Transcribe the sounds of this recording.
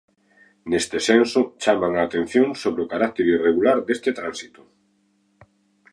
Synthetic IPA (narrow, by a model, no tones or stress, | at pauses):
nest̪esensot͡ʃamaŋaːt̪en̟θjoŋsoβɾeokaɾak̚t̪eɾireɣulaɾd̪est̪et̪ɾansit̪o̥